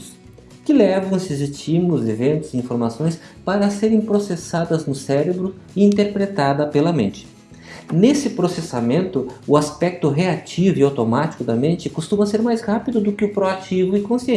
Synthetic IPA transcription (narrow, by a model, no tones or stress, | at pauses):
ʊs | kɪlɛvɐ̃w̃sezɪt͡ʃĩmʊlʊzevẽnt̪ʊzɪĩfoɾmasõj̃spaɾɐseɾẽj̃pɾosesad̪ɐznʊsɛɾebɾʊ | ĩnt̪eɾpɾet̪ad̪ɐpelɐmḛ̃nt͡ʃɪ̥ | nesɪpɾosesamẽnt̪ʊʊaspɛk̚t̪ʊɦeat͡ʃivʊiawt̪omat͡ʃi̥kʊd̪ɐmẽnt͡ʃɪkost̪ũmɐseɾmajzhapid̪ʊd̪ʊkɪʊpɾoat͡ʃivʊɪkõsiẽ